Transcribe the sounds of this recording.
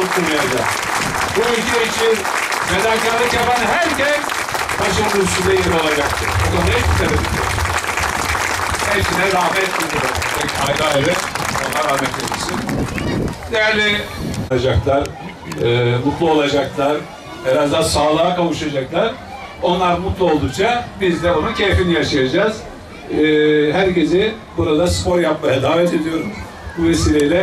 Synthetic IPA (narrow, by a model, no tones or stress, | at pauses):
uɾt̪uɾajad͡ʒa | buicʰiet͡ʃʰin | med̪akalˠɯkjapanɦæɾcɛn | t̪ʰaʃɯnɯd̪ɯʃud̪ajeɾio̞lˠad͡ʒak̚t̪ʰɯɾbok̪onait̪ʰeɾebilʲio̰ɾ | hɛpsinɛɾahmɛt̪meniɾpʰɛcajɡaaevɛt̪onːaɾahmɛt̪memisin | jjaɾnɪad͡ʒaklˠaɾ | ɯːmut̪lˠuo̞lˠad͡ʒaklˠaɾ | bɛɾazd̪aɾsaːlˠaːkavuʃad͡ʒaklˠaɾ | o̞nlˠaɾmut̪lˠuo̞lˠd̪ukt͡ʃʰabizd̪ɛonuncʰejfinijaʃajad͡ʒaːz̥ | ɦæɾce̞zɪ | buɾad̪aspo̞ɾjapmajad̪aːvɛt̪ʰe̞d̪ijo̞ɾum | buvesiːlʲejlʲɛ